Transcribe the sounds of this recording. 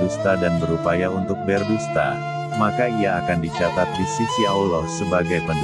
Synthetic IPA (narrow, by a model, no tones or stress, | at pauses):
ust̪adanbəɾupajaunt̪ʊk̚bɛrbust̪a̰ | makaiaːkandit͡ʃat̪at̪̚disisiaulɔsəbaɡajpən